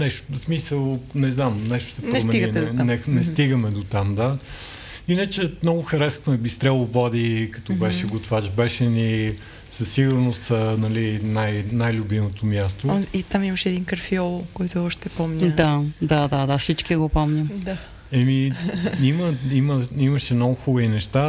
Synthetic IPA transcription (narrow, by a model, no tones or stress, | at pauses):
nɛʃtsmisəlˠnɛznamnɛʃt̪o̥sɛpnɾɛsosmɛiɡ̪id̪nɛnɛst̪iɡəmɛd̪ot̪amd̪a | inət͡ʃɛmnɔɡʊxɐɾɛskʊnɛbist̪ɾɛlˠovɔd̪ikɐt̪ɔbɛʃɛɡot̪vat͡ʃbɛʃɛni | sɐsiɡʊɾnost̪ənɐlinajnajlʲʊbimot̪omjast̪oit̪amimɐʃɛːd̪iŋkəɾfiɔlˠkɔjt̪ʊɔʃt̪ɛpɔmɲʲd̪ad̪ad̪ad̪asit͡ʃkiɡopɔmɲʲəmd̪a | ɛmiiməiməiməʃɛmnɔɡʊxubəvinɛʃt̪a